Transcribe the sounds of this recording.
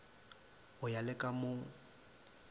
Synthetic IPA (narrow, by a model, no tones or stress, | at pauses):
ʊjalɛkʼamʊ